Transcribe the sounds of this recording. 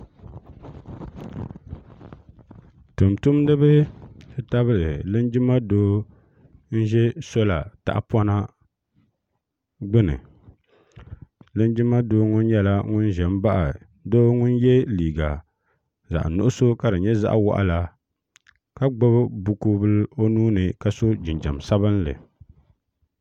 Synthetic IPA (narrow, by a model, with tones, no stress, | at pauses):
tu˨mtʊ˦mdɨ˦bɨ˦dɨ˦ta˦βɨ˦lɨ˨lɨ˦nd͡ʒɪ˦ma˦doː˦ | n̩˦ʒɛ˦so˦la˨ta̰˨ʔa˨pwa˦na˦ | ɡ͡bɨ˦nɨ̰˨ | lɨ˦nd͡ʒi˦ma˦doː˦ŋʊ˦n˦jɛ˦la˦ŋʊ˦n˦ʒɛ˨m˦ba˦ʔa˨ | doː˦ŋʊ˦n˦jɛ˦liː˨ɡa˨ | za̰˨ʔnʊ̰˨ʔʊ˦so˦ka˨dɨ˨ɲɛ˦za̰˦ʔwa̰˦ʔa̰˦la˨ | ka˦ɡ͡bo˦bbu˨kuː˦bɨ˦lo˦nuː˦nɨ˨ka˦so˦d͡ʒɪ˨nd͡ʒa̰˨m˨sa˦βɨ˦nlɨ̰˨